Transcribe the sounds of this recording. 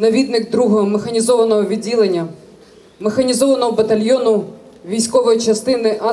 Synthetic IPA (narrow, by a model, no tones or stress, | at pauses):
nɐʋʲid̪nɪkd̪ɾuɦɔɦɔmexɐnʲizɔʋɐnɔɦɔʋʲiːilˠenʲːɐ | mexɐnʲizɔʋɐnɔɦɔbɐt̪ɐlʲjɔnʊ | ʋʲijsʲkɔʋɔjit͡ʃɐst̪ɪnɪʔɐ